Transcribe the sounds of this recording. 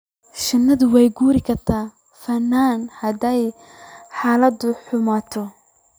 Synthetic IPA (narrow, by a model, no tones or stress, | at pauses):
ʃɐnːɐðʊwɛjɡuːɾɪkʰɐrt̪ʰaː | fɐnːaːnhɐd̪ɛj | ħaːlɐd̪ʊħʊmaːt̪ʰɔ